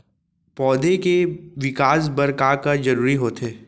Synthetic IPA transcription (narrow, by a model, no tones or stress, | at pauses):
pɔːd̪ekeʋɪkaːs̬bɐɾkakad͡ʒɐɾuːɾiɦoːt̪ʰeː